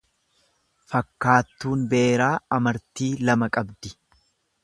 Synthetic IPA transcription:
fɐkːaːt̪ːuːnbe̞ːɾaːɐmɐɾt̪iːlɐmɐkʼɐbd̪ɪ̥

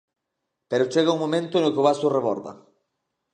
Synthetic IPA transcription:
peɾʊt͡ʃeɣauŋmomẽnt̪ʊnokeoβasʊreβɔ̰ɾðɐ̰

